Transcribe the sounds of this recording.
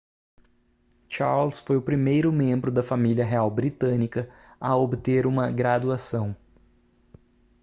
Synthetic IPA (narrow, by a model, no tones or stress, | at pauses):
t͡ʃaɾlsfojʊpɾimejɾʊmẽmbɾʊd̪ɐfamiljɐɦeawbɾit̪ɐ̃nikɐ | ɐobt̪eɾũmɐɡɾad̪uasɐ̃w̃